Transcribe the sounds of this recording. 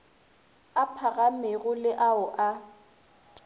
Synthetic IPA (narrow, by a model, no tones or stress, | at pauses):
apʰaɣamɪɣʊlɪʔaʊʔa